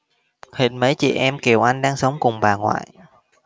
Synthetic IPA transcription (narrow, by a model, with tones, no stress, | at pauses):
hḭ˨˩t̚məː˨˦jt͡ɕḭ˧˩˨ʔɛ˧mki˨˩əwʔa˧jŋ̟ɗaː˧ŋsə˨˦wŋ͡mkʊ˨˩ŋ͡mɓaː˨˩ŋwa̰ː˧˨j